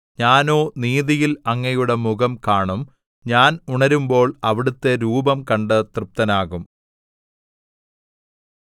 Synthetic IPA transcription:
ɲaːno̞ːniːðijilɐŋːɐjuɽe̞muɣɐmkaːɳum | ɲaːnuɳɐɾumbo̞ːɭɐʋiɽut̪ːe̞ɾuːbɐmkɐɳɖɨt̪rɨp̚t̪ɐnaːɣum

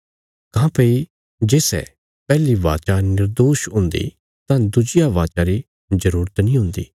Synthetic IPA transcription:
kãːpei | d͡ʒeːsɛ̰ | pɛːliʋa̰ːt͡ʃanɪɾd̪oːʃɦʊ̃nd̪ḭ | t̪ãːd̪ʊd͡ʒɪjaʋaːt͡ʃaɾi | d͡ʒəɾuːɾət̪nĩɦʊ̃nd̪ḭː

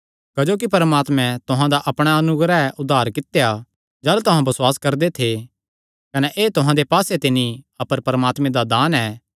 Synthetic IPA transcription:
kɐd͡ʒoːk̬ipɐɾmaːt̪mɛ̃t̪ʊɦãd̪aʔɐpɽ̃aɐnʊɡɾaɛʔʊd̪aːɾkɪt̪ja | d͡ʒɐːlt̪ʊɦãbɐswaːskɐɾd̪et̪ʰe | kɐnɛʔeːt̪ʊɦãd̪epaːset̪ɪniɐpəɾpɐɾəmaːt̪mẽd̪ad̪aːnɛː

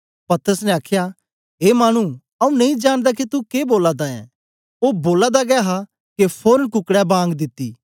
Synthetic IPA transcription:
pɐt̪əɾəsnɛaːkʰja | ɦeːmaːɽ̃u | ɐũnɐĩd͡ʒaːñd̪ak̬it̪ukeboːlad̪aɛ̰̃ | oːboːlad̪aɡɛːɦa | kepʰoːɾənkʊkɽɛbãːŋɡd̪ɪt̪ːiː

